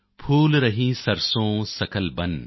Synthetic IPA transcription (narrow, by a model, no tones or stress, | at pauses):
pʰuːlɾɐɦĩsɐɾsõːsɐkəlbɐn